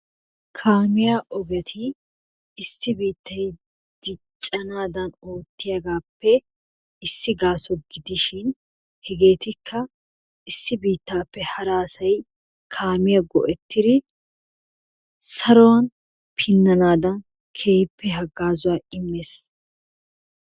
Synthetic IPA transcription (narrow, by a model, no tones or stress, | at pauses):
kʰaːmɪjaʔɔɡɛt̪ʰɪː | sːɪbiːt̪ːɐj | d̪̥ɪt͡ʃʼːɐnaːd̪ɐnoːt̪ːɪjɐɡaːpːɛ | ɪsːɪɡaːsɔɡɪd̪ɪʃɪn | hɛɡe̞ːt̪ɪkʰːɐ | ɪsːɪbiːt̪ːaːpːɛhɐɾaːsɐj | kʰaːmɪjaɡɔ̰ʔɛt̪ːɪd̪ɪ | sɐɾɔwɐn | pʰɪnːɐnaːd̪ɐn | kʰeːhpːɛɦɐɡːaːzʊwaːɪmːeːs